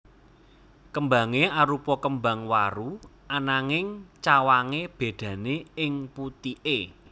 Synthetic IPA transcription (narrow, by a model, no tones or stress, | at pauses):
kəmba̤ŋeaɾupɔkəmbaŋwa̰ɾu | anaŋɪŋt͡ʃawaŋeb̥e̤d̪̥ä̤neɪŋput̪iʔe